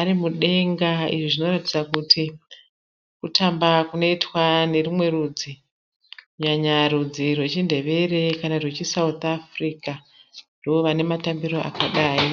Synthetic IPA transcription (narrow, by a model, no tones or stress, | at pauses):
aɾimuɗe̞ŋɡaḭʐiʐino̞rati̥d͡zakutʰi | kutambakuno̞itwane̞rimwe̞ɾud͡zi | kuɲaɲaɾud͡zirwe̞t͡ʃinde̞ʋe̞ɾe̞kanarwe̞t͡ʃisaut̪afrika | ndooʋane̞matambiɾo̞ʔa̰kaɗaːi